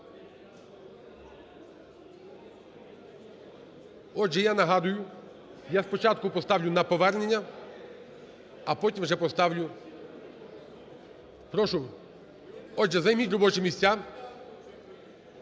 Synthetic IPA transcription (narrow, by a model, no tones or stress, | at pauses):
ɔʒɛjanɐɦɑd̪ʊjʊ | jaspɔt͡ʃɑt̪̚kʊpɔst̪ɑʋlʲʊnɐpɔʋɛrnenʲːɐ | pɔtʲimwʒɛpɔst̪ɑʋlʲʊ | pɾɔʃʊ | ɔʒɛzɐjmʲitʲɾɔbɔt͡ʃɛmʲisʲt͡sʲa